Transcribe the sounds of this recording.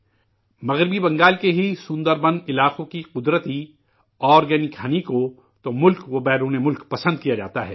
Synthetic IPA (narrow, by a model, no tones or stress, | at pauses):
mɐɣɾɪbibɐ̃ŋɡaːlkeɦisʊ̃nd̪əɾbɐ̃nɪlaːqõkiqʊd̪ɾət̪i | ɔːɾɡɛnikʰaːniko | t̪omʊlkʋobɛːɾuːnemʊlkpɐsə̃nd̪̚kijad͡ʒa̰ːt̪aɦɛ̰ː